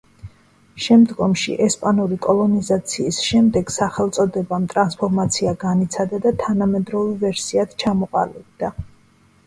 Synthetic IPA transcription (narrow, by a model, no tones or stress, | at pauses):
ʃɛmd̪ɡɔmʃḭʔɛspʼanuɾikʼɔlˠɔnizat̪sʰiːsʃɛmd̪ɛɡ̥saχɛlˠt̪sʼɔd̪ɛbamt̪ʼɾanspʰɔɾmat̪sʰiaɡanit̪sʰad̪ad̪at̪ʰanamɛd̪ɾɔvɛvɛɾsiat̪t͡ʃʰamɔqʼa̰lib̚d̪̥a